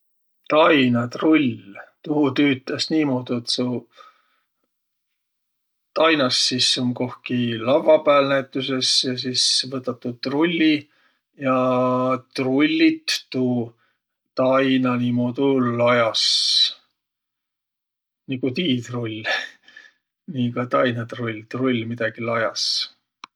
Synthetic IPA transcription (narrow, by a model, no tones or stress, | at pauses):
t̪ɑjnɑt̪rulʲt̪uhut̪yːt̪ːˑɑsniːmoːd̪̥uet̪su | t̪ɑjnɑsːisːumko̞hkilɑvːɑpæːlnæjt̪ˑːuse̞sjɑs̬isvɤt̪ːˑɑt̪ːˑud̪̚t̪rulʲːi | jɑ | t̪rulʲːit̪ːu | t̪ɑjnɑnimoːd̪ulɑjɑs | nikut̪iːt̪rulʲː | nikɑt̪ɑjnɑt̪rulʲt̪rulʲmid̪̥ɑɡ̥ilɑjɑ̰s